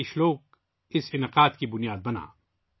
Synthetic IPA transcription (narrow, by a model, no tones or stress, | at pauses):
ɪʃloːk | ɪsɪnɪqaːd̪kibʊnijaːd̪̚bɐna̰ː